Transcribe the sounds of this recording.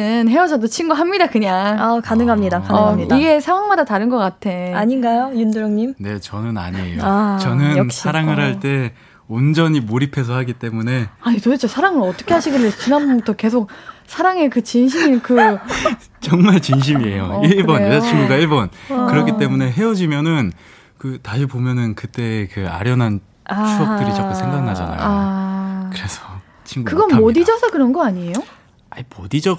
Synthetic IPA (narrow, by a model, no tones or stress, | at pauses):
ɯnɦe̞wʌd͡ʑʌdot͡ɕʰinɡuɦamɲidakɯɲaŋakanɯŋɦamɲidakaiiɡe̞sʰeŋwaŋmadataɾɯnɡʌk͈atʰe̞aɲinɡajojunduɾoŋɲimne̞t͡ɕʌnɯna̰ɲiejot͡ɕʌnɯɕʰaɾaŋɯɾɦaɭt͈e̞ | ond͡ʑʌɲimoɾipʰe̞s̬ʰʌhaɡit͈e̞mune̞aɲitoit͡ɕʰosʰaɾaŋɯɾʌt͈ʌ̥kʰeɦaɕʰiɡiɭːesʰt͡ɕinanbbbutʰʌke̞sʰok̚sʰaɾaŋe̞kɯt͡ɕinɕ̬ʰiminkɯ | t͡ɕʌŋmaɭt͡ɕinɕ̬ʰimie̞joiɭbʌnt͡ɕʰinɡuɡaiɭbʌnkɯɾʌkkʰit͈e̞mune̞ɦe̞ʌd͡ʑimjʌnɯn | kɯtaɕʰibomjʌnɯnkɯt͈e̞ːkɯa̰ɾjʌnɦan | t͡ɕʰuʌt͈ɯɾit͡ɕak͈usʰe̞ŋɡanːad͡ʑa̰na̰jao | kɯɾe̞sʰʌ̥ | t͡ɕʰiŋɡukɯɡʌnmmodid͡ʑʌsʰʌkɯɾʌnɡʌaɲie̞jo | aimodid͡ʑʌ